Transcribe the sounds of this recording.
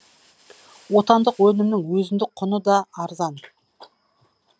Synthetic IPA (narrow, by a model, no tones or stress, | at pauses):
wo̞t̪ɑnd̪əqwɵnɪmnɪŋwɵzɪnd̪ɪk̚qʰʊnəd̪ɑːɾzɑn